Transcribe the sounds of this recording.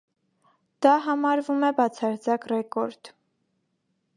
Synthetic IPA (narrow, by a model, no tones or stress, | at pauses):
d̪̥ɑɦɑmɑɾvumɛbɑt͡sʰɑɾt͡sɑkrɛkɔɾd̪̥